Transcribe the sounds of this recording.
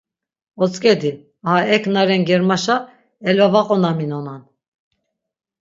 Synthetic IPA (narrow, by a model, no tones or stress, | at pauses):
ɔt͡sʼkʼɛd̪i | aɦaɛkʰnaɾɛnɡɛɾmaʃa | ɛlvavaqʼɔnaminɔnan